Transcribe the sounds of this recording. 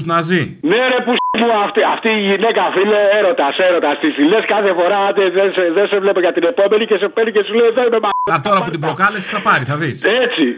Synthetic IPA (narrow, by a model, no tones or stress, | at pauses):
znɐzi | ne̞ɾepusmuaft̪iɐft̪iːʝine̞kɐfileeɾo̞t̪ɐse̞ɾo̞t̪ɐst̪isθileskɐθe̞fo̞ɾat̪eðeseðense̞vle̞poʝɐt̪ine̞po̞me̞nicese̞peɾnice̞suleiðenimemaɐt̪o̞ɾɐput̪ibɾo̞kɐlesi̥θɐpɐɾiθɐðise̞t͡si